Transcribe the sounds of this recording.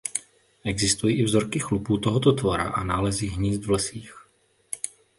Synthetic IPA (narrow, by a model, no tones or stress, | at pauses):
ʔɛɡzɪst̪ujiːʔɪvzo̞ɾkɪxlupuːt̪o̞ɦot̪ot̪voɾa̰ʔa̰naːlɛziɦɲiːzd̪vlɛsiːx